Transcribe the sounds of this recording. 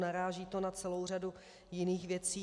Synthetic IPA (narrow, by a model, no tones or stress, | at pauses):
naɾaːʒiːt̪o̞nat͡sɛlo̞wr̝adu | jɪniːxvjɛt͡siː